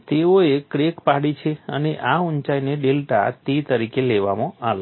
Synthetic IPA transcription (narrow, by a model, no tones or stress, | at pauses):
t̪eoekɾekpaɽit͡ʃʰeəneʔauɲt͡ʃaineɖelʈa̰t̪et̪əɾikeleʋamõal